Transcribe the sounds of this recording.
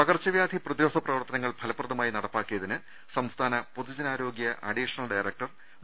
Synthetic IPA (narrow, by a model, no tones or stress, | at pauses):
pɐɣɐrt͡ɕːɐʋjaːd̪ʱiprɐðjoːt̪ʰɐprɐʋɐrt̪ɐnɐŋːɐɭbʱɐlɐpːrɐðɐmaːjinɐɽɐpːaːkːujɐðinɨ | sɐmst̪ʰaːnɐpod̪id͡ʑɐnaːɾo̞ːɡjɐʔɐɖiːʂɐnɐlɖɐjrek̚ʈɐr